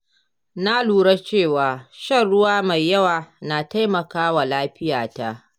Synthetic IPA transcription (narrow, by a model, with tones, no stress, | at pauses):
na˦luː˨ɽa˦t͡ʃeː˦˨waː˨ʃɐ˦˨nɽʊ˦waː˦ma˨jːɐ˦waː˨na˨ta˦jmɐ˨kaː˦wa˨laː˦ɸɪ˦jaː˨ta˦˨ʔ